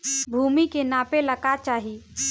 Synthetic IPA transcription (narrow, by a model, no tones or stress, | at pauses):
bʱuːmikenãːpelɐkat͡ʃaːɦi